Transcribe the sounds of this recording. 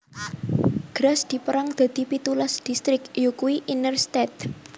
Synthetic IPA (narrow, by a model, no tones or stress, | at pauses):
ɡ̥ɾasd̪̥i̤pəɾaŋd̪̥a̤d̪̥i̤pit̪ulasd̪̥ist̪ɾɪkjokuiʔinərst̪ɛt̪̚